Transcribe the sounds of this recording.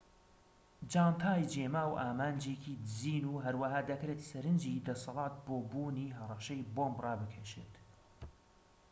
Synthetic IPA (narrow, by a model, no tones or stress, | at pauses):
d͡ʒaːnt̪ʰaːjd͡ʒeːmaːwʔaːmaːnd͡ʒekʰid̪ɨziːnuːɦɐɾwaɦaːd̪ɐkɾet̪sɐɾɨnd͡ʒiːd̪ɐsɑlˠɑːt̪̚boːbuːniːɦɐrˤɐʃɐjboːmbrɑːbɨkʰɛʃḛt̪